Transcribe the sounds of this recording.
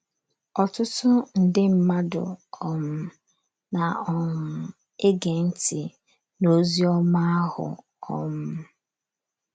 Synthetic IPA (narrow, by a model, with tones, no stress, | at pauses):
ɔ˨tʊ˦tʊ˦n̩˨dɪ˦m̩˦ma˦dʊ̰˨ɔ˦mʊ˦ | na˨ɔ˦m̩˦ | e˦ɡe˨n̩˦ti˨ | no˦zi˦ɔ˦ma˦a˦hʊ̰˨ | ɔ̰˦mʊ˦